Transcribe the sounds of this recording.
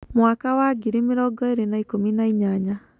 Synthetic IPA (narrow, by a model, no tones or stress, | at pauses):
mwakawaɡiɾimɪɾɔɡɔeɾenaikominaiɲaɲa